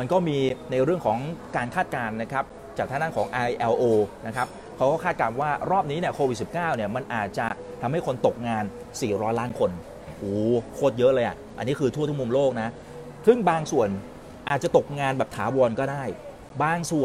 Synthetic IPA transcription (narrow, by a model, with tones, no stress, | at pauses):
ma˧nkɔː˥˩miː˧na˧jɾɯ˥˩əŋkʰɔː˩˦ŋkaː˧nkʰaː˥˩t̪̚kaː˧nːa˦˥kʰa˦˥p̚ | t͡ɕaː˨˩k̚t̪ʰa˥na˥˩kʰɔː˩˦ŋʔa˧jʔɛː˧wʔoː˧na˦˥kʰa˦˥p̚ | kʰa˦˥wkɔː˥˩kʰaː˥˩kaː˧nwaː˥˩ɾɔː˥˩p̚niː˦˥ni˥˩əkʰoː˧wi˨˩t̪̚si˨˩p̚kaː˥˩wni˥˩ɐma˧nʔaː˨˩t̪̚t͡ɕa˨˩t̪ʰa˧mha˥˩jkʰo˧nt̪o˨˩k̚ŋaː˧n | siː˨˩ɾɔː˦˥jlaː˦˥nkʰo˧n | ʔuː˩kʰoː˥˩t̪̚jɤ˦˥ʔlɤː˧jʔa̰˨˩ʔʔa˧nːiː˦˥kʰɯː˧t̪ʰu˥˩t̪u˥˩mu˧mloː˥˩k̚na˦˥ | sɯ˥˩ŋbaː˧ŋsu˨˩ən | ʔaː˨˩t̪̚t͡ɕa˨˩t̪o˨˩k̚ŋaː˧nbɛː˨˩p̚t̪ʰaː˩˦wɔː˧nkɔː˥˩daː˥˩j | baː˧ŋsu˨˩ən